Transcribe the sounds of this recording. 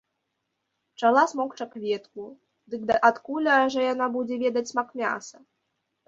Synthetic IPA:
t͡ʂalˠasmɔkt͡ʂakvʲɛt̪ku | d̪ɨkd̪ɐʔat̪kulʲɐʐɛjanabud͡zʲɛvʲɛd̪ɐt͡sʲsmakmʲa̰sɐ

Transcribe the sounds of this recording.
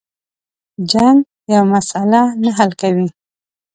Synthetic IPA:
d͡ʒaŋ | jawmasalanaɦalkawi

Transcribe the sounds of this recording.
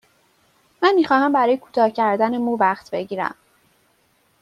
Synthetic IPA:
mænmiːxɒːhæmbæɾɒːjekʰu̥t̪ʰɒːcʰæɾd̪ænemuːvæχt̪be̞ɟiːɾæ̰m

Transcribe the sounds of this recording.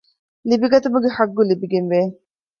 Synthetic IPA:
libiɡɐt̪umuɡehɐɡːulibiɡenʋeː

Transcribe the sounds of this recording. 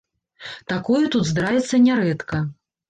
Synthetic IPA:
t̪akɔjut̪ud̪zd̪ɾavʲɛt̪sːɐnʲaɾɛt̪kɐ

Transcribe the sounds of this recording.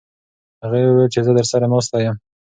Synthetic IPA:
haɣawəwelt͡ʃezəd̪əɾsaɾamost̪ajəm

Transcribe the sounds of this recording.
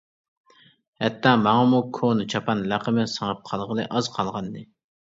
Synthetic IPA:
hɛt̪ʰːɑːmɑŋɑmukʰonɨt͡ʃʰɑpɑnlæqəmɨsəŋəp̚qʰɑlˠʁəlˠɨʔɑz̥qʰɑlˠʁɑnd̪ɨ

